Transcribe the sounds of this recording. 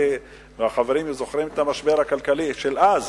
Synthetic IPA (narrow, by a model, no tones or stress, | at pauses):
veaχaveɾimzo̞χɾimet̪amaʃbeʁhakalkaliʃelaz